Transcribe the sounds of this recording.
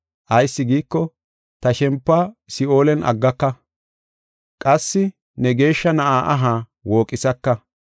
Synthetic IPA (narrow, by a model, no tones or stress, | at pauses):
ʔɐjsːɪɡiːkːɔ | t̪ɐʃɛmpːaːsɪoːlɛnʔɐ̰ɡːɐkːɐ | kʼɐsːɪ | nɛɡe̞ːʃːɐnɐʔaːʔɐɦaː | wo̞ːkʼɪsɐkːɐ